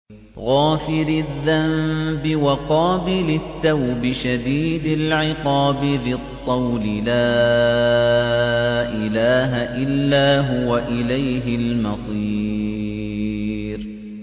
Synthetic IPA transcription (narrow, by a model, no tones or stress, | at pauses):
ɣaːfɪɾɪðːambɪwaqɑːbɪlɪt̪ːawbɪʃad̪iːd̪ɪlʕɪqɑːbɪðɪt̪ˤːɑwlɪlaː | ʔɪlaːɦaʔɪlːaːɦʊwaʔɪlajɦɪlmɑsˤiː | ɾ